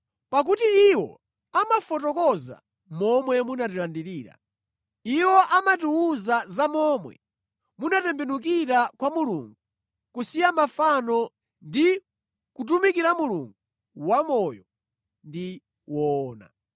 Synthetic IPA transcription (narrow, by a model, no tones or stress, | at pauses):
pak̬utiːwɔ̰ | amafɔt̬ɔkɔza̰ | mɔmwɛmunatilandiɾiːɾa̰ | iwɔʔamatuwuzazamɔːmwɛ̰ | munatɛmbɛnuk̬iɾakwamulṵŋɡu | kusijamafanɔ | ndi | kut̬umikiɾamuluŋɡu | wamɔjɔ | ndi | wɔːna̰